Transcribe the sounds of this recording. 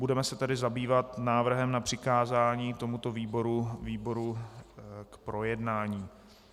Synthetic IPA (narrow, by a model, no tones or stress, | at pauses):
budɛmɛsɛt̪ɛdɪzabiːvat̪naːvr̩ɦɛmnapr̝̥ɪkaːzaːɲiːt̪o̞mut̪o̞viːbo̞ɾuviːbo̞ɾu | kpɾʔo̞jɛdnaːɲiː